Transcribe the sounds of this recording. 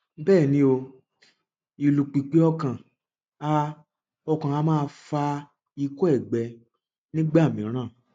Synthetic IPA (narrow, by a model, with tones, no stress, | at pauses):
bɛː˦˨nĩ˨˧˦o˧ | i˨lu˨k͡pi˨k͡pi˨˦ɔ˧kã˨ | a˧ | ɔ˧kã˨a˨˦mãː˦˧fa˧ | i˧ko˦ɛ˦˨ɡ͡bɛ˨ | nĩ˦ɡ͡ba˦˨mĩ˨˦ɾ̃ãː˦˨